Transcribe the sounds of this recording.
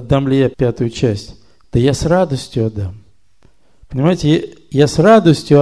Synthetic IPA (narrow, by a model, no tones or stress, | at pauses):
ɐd̪ːamlʲɪjapʲat̪ʊjʊt͡ɕæsʲtʲ | d̪̥əjasrad̪əsʲtʲjʊɐd̪am | pənʲɪmajɪtʲɪjasrad̪əsʲtʲjʊɐ